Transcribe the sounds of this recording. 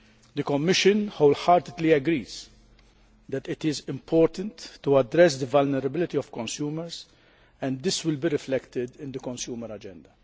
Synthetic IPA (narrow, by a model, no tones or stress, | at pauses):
d̪əkɔmːɪʃə̃nhoʊlħɐːɾt̪ɪd̪liɐɡɾiːz | d̪ɛt̪ɪt̪ɪzɪ̃mpʰɔːɾt̪ə̃nt̪ːuɐd̪ɾɛs̬d̪əvɐlnɛɾɐbɪlɪt̪iɔfkɔ̃nsjuːməɾz | ɛ̃nd̪ɪswɪlbiɾɪflɛkt̪ɪd̪ɪ̃nd̪əkɔ̃nsjuːməɾɐd͡ʒɛ̃nd̪ɐ